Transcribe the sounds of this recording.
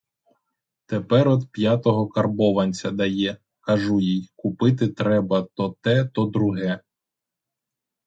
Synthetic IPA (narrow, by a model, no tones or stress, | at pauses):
t̪epɛɾɔd̪pʲjɑt̪ɔɦɔkɐrbɔʋɐnʲt͡sʲɐd̪ɐjɛ | kɐʒujijkʊpɪt̪ɪt̪ɾɛbɐt̪ɔt̪ɛt̪ɔd̪ɾʊɦɛ